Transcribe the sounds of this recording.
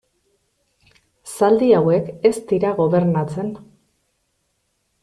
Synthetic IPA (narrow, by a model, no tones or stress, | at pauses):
sald̪iawe̞ke̞st̪iɾaɣo̞βe̞ɾnat͡se̞n